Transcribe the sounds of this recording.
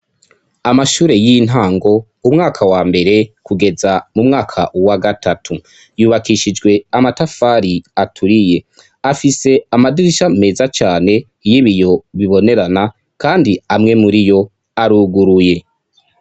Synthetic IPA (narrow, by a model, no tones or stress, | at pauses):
amaʃuːɾe̞jin̥ɦaːŋɡo̞ | umŋaːkʰawaːmbe̞ɾe̞kuɡe̞zamumŋaːkʰaʔwaɡatʰatʰu | juːβakiʃid͡ʒɡwe̞amatafaːɾiatʰuɾije̞ | afise̞amadiɾiʃame̞ːzat͡ʃaːne̞ | jiβijo̞βiβo̞ne̞ɾana | kaːndiamŋe̞muɾijo̞ | aɾuːɡuɾuje̞